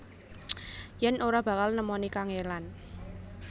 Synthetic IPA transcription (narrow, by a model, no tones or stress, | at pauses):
jɛnʔoɾab̥a̤kalnəmɔnikaŋelan